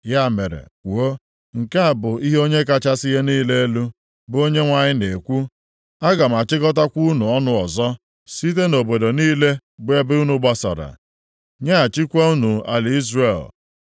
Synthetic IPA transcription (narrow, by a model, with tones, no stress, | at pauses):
ja˦˨me˨ɾḛ˨wo˦ | ŋ̩˨ka˦a˨bʊ˨i˦ɦo˦ɲe˦ka˦t͡ʃa˦sɪ˦ɦe˦niː˦le˦e˦lu˦ | bʊ˨˦o˦ɲe˦ŋʷa˨ɲɪ˦ne˨kʷu˦ | a˦ɡa˨m̩˨a˨t͡ʃɪ˦ɡɔ˦t̬a˦kʷu˦nu˨ɔ˦nʊ˦ɔ˨zɔ˦ | si˦t̬e˦no˨bo˨do˨niː˦le˦ɡ͡be˦bɪ˦u˦nu˦ɡ͡ba˦sɔ̰˨ɾa̰˨ | ɲa˦a˨t͡ʃi˦kʷa˦u˦nu˨a˨lɪ˨i˦zre˨l